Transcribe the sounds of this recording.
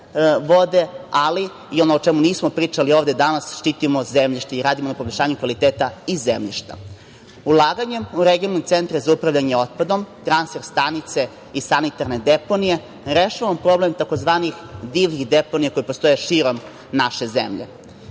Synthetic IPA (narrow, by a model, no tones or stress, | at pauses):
ʋo̞d̪e̞ali | io̞noot͡ʃemuniːsmopɾiːt͡ʂalio̞ːvd̪ed̪anasʃt̪it̪imozemʎiʃt̪eiɾaːd̪imo̞napobeʎʲʃaːɲukʋalit̪eːt̪aizemʎḭʃt̪a̰ | ulˠaːɡaɲe̞muɾeɡionanot̪sent̪ɾazaupɾaʋʎaɲeo̞t̪̚pad̪o̞mt̪ɾansfe̞ɾst̪anit̪se̞ | isanit̪aɾne̞d̪e̞po̞nije̞ | ɾeʃaʋamopɾo̞ble̞mt̪ako̞zʋaːnixd̪iʋnixd̪eponijakojepost̪o̞jeʃiɾo̞m | naʃe̞zḛmʎḛ